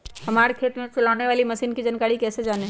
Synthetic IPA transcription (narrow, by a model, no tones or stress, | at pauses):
hɐmaːɾekʰeːt̪mẽt͡ʃʊlaːneʋaːlimɐsiːnkid͡ʒɐnkaːɽikɛːsed͡ʒaːneː